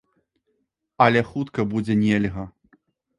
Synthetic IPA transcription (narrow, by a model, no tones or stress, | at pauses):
ɐlʲɛxut̪kɐbud͡zʲɛnʲelʲɣɐ